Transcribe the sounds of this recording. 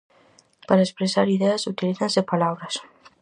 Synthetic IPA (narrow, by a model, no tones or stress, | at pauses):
paɾaespɾesaɾiðeɐsut̪iliθazepalaβɾas